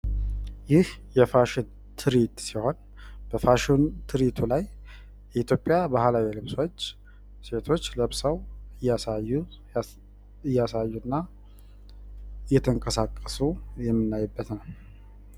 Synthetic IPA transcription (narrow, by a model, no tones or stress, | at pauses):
jɪhjɛfaʃɪn | t̪ʰɨɾit̪siho̞n | b̥əfaʃɪnt̪ʰɨɾit̪ʰulaj | jɛit̪ʰjopʼːjabahlawilɨβso̞t͡ʃː | se̞t̪ʰo̞t͡ʃːləβsəwɨjːasajːu | ɨjːasajːunːa | ɨjɛt̪ʰəŋkʼəsakʼːəsujɛmːɨnːajːɨbːət̪nəw